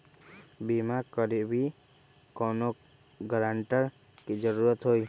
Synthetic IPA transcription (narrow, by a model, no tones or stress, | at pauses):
bimaɾkɔɾiʔbi | kɔnɔ | ɡɾaɳʈəɾ | kid͡ʒəɾuɾɔt̪ɦoj